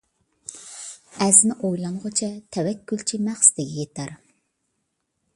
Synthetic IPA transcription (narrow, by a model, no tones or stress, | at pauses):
æznɪʔojlˠɑŋʁʊt͡ʃʰɛt̪ʰɛwɛkʲːylt͡ʃʰimæχsd̪ɪɡʲɛjet̪ʰæɾ